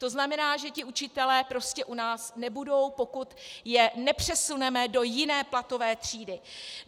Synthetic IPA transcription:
t̪o̞znamɛnaːʒɛcɪut͡ʃɪt̪ɛlɛːpɾo̞scɛʔunaːsnɛbudo̞wpo̞kut̪jɛnɛpr̝̥ɛsunɛmɛdo̞jɪnɛːplat̪o̞vɛːt̪r̝̥iːdɪ

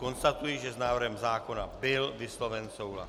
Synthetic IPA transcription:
ko̞nst̪at̪ujiʒɛznaːvr̩ɦɛmzaːko̞nabɪlvɪslo̞vɛnso̞wla̰

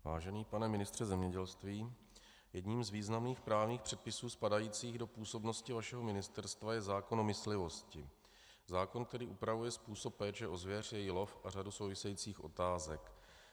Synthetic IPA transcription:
va̰ːʒɛniːpanɛmɪnɪst̪r̥ɛzɛmɲɛɟɛlst̪viː | jɛdɲiːmzviːznamniːxpɾaːvɲiːxpr̥ɛt̪̚pɪsuːspadajiːt͡siːɣdo̞puːso̞bno̞scɪvaʃɛɦo̞mɪnɪst̪ɛɾst̪vajɛzaːko̞nomɪslɪvo̞scɪ | zaːko̞nk̚t̪ɛɾiːʔupɾavujɛspuːso̞pːɛːt͡ʃɛʔo̞zvjɛrjɛjɪlo̞fʔaraduso̞wvɪsɛjiːt͡siːxʔo̞̰t̪aːzɛk

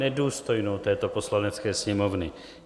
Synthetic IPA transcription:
ɛduːst̪o̞jnowt̪ɛːt̪o̞poslanɛt͡skɛːsɲɛmovnɪ

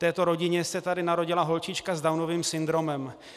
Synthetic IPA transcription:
t̪ɛːt̪o̞ɾo̞ɟɪɲɛsɛt̪adɪnaɾo̞ɟɪlaɦo̞lt͡ʃɪt͡ʃkazdawno̞viːmsɪnd̪ɾo̞mɛm

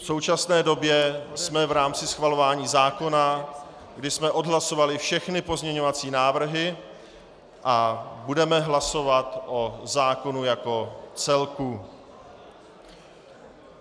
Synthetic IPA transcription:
fso̞wt͡ʃasnɛːdo̞bjɛsmɛvɾaːmt͡sɪsxvalo̞vaːɲiːzaːko̞na | ɡdɪsmɛʔo̞dɦlaso̞valɪfʃɛxnɪpo̞zɲɛɲo̞vat͡siːnaːvr̩ɦɪ | ʔabudɛmɛɦlaso̞vat̪ʔozaːko̞nujako̞t͡sɛlku

